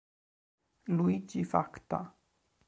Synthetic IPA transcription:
luid͡ʒifakt̪a̰

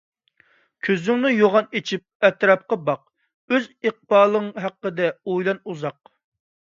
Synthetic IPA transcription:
kʲʰøzyŋnɪjoʁɑnet͡ʃʰip̚ɛt̪ɾɑp̚qɑbɑq̚ | øziq̚bɑːlˠɨŋɦæqːəd̪ɛojlˠɑnuzɑq̚

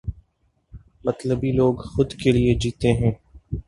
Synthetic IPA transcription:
mət̪ləbiloːɡxʊd̪kelied͡ʒiːt̪eɦɛ̃ː

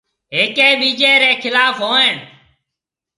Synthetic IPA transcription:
ɦeːkeːɓiːd͡ʒeːɾeːkʰɪlaːfɦoːẽːɳ

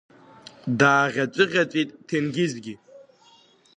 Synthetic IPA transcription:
daːʁʲat͡ʃʷʼɨʁʲat͡ʃʷʼitʼtʰenɡʲɪzɡʲi

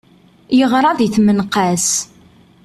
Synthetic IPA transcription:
jəʁɾˤɑðiθmənqæs

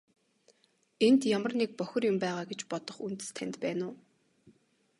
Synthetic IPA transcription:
ent̪jamə̆rnek̚pœxʲɞ̆rjʊmpæːʁaːɡet͡ɕpɔt̪ɞ̆χunt̪ɘ̥̆st̪ʰænʲt̪pæːnʊː

